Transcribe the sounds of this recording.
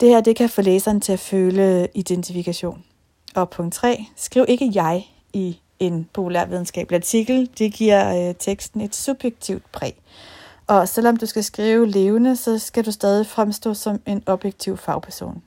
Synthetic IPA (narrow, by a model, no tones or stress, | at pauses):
d̥e̝hæɐ̰d̥e̝kʰæfɔ̽lḛːsɐːnt͡sʰe̝æføːləid̥ent͡sʰifikʰæɕo̝̰ːn | ɒ̽pʰɔ̽ŋ̰d̥t͡sʰʁɛ̰ːsɡ̥ʁiʊ̰e̝ɡ̥əjɑ̈ɪ | i | e̝npʰo̝pʰulæ̰ɐ̰ʋið̞ˠn̩sɡ̥ɛ̰ːb̥læɐt͡sʰiɡ̥l̩d̥e̝ɡ̥iɐ̰t͡sʰeɡ̥sd̥n̩e̝d̥sub̥jeɡ̥̚t͡sʰiʊ̰d̥̚pʰʁɛ̰ː | ɒ̽sel̰ɒ̽md̥usɡ̥æsɡ̥ʁiːʊəle̝ːʊnəsɒ̽sɡ̥ædusd̥ɛːð̞ˠifʁamsd̥ɔ̰̽ːsɒ̽me̝nɒ̽b̥jeɡ̥̚t͡sʰiʊ̰fɑ̈ʊpʰæɐso̝̰ːn